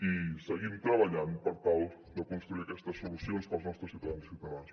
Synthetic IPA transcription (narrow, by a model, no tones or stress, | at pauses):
isəɣimt̪ɾəβəʎanpəɾt̪alˠ | d̪əkunst̪ɾuiəkɛst̪əsːulusionspəlˠznɔst̪ɾəsiuwt̪əðanssiwt̪əðans